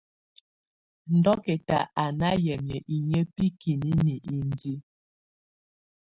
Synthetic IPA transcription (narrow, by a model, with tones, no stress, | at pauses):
n̩˨dɔ˦kɛ˨ta̰˨a˨na˦jɛ˨mjə˨ʔi˨ɲə˦pi˦ki˨ni˦ni˨ʔi˨n˨di˦